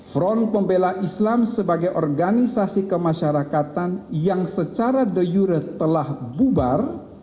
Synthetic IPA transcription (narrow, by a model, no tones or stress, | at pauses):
fɾɔn̚pəmbelaʔislamsəbaɡajʔɔrɡanisasikəmaʃaɾakat̪anjaŋsət͡ʃaɾadəjuɾət̪əlahbubar